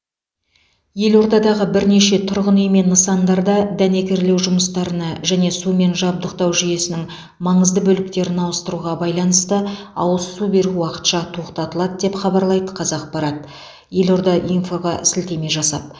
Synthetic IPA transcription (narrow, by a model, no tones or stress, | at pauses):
je̞lo̞ɾd̪ɑd̪ɑʁəbɪɾne̞ʃe̞t̪ʰʊɾʁənɵjme̞nnːəsɑnd̪ɑɾd̪ɑd̪æne̞kʲe̞ɾle̞wʒʊməst̪ɑɾənɑʒæne̞sume̞nʒɑb̚d̪əqt̪ɑwʒije̞sɪnɪŋ | mɑɴəzd̪əbɵlɪk̚t̪e̞ɾɪnɑwəst̪əɾuʁɑbɑjlˠɑnəst̪ə | ɑ̰wəlˠsube̞ɾuwɑqə̥t̪ʃɑt̪ʰo̞qt̪ɑt̪əlˠɑd̪əd̪e̞pχɑbɑɾlˠɑjd̪əqʰɑzɑq̚bɑɾɑt̪̚ | je̞lo̞ɾd̪ɑʔinfoʁɑʔɪ̰sɪlt̪e̞me̞ʒɑsɑ̰p̚